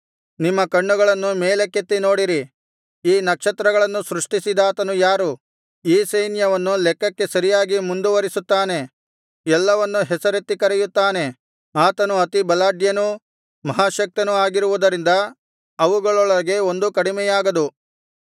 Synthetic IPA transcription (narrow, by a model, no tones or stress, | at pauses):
nimːɐkɐɳːuɡɐɭɐnːumeːlekːet̪ːino̞ːɽiɾi | iːnɐkʂɐt̪ɾɐɡɐɭɐnːusɾuʂʈisid̪aːt̪ɐnujaːɾu | iːsejnjɐʋɐnːulɛkːɐkːe̞sɐɾijaːɡimund̪uʋɐɾisut̪ːaːne̞ | ɛlːɐʋɐnːuɦɛsɐɾet̪ːikɐɾɛjut̪ːaːne̞ | aːt̪ɐnuɐt̪ibɐlaːɖjɐnu | mɐɦaːʃɐk̚t̪ɐnuaːɡiɾuʋud̪ɐɾind̪ɐ | ɐʋuɡɐɭɔɭɐɡe̞o̞nd̪ukɐɽimɛjaːɡɐd̪u